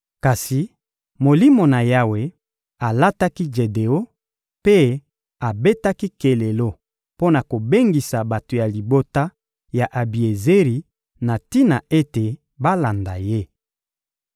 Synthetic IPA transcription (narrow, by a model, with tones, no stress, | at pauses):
ka˨si˨ | mo˨li˦mo˨na˨ja˦we˦ | a˨la˦ta˦ki˦d͡ʒe˨de˨o˦ | pe˦ | a˨be˦ta˦ki˦ke˨le˨lo˦ | po˦na˨ko˨be˦ŋɡi˨sa˨ba˨to˨ja˨li˨bo˦ta˦ | ja˨ʔa˨bi˨e˨ze˦ʁi˨ | na˨ti˦na˨e˦te˨ | ba˦la˨nda˨je˦